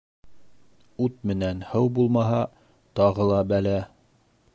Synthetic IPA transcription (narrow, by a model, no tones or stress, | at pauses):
ʉt̪̚mɘ̆nænhɤwbulˠmɑɦɑ | t̪ɑʁɤlˠɑbælæ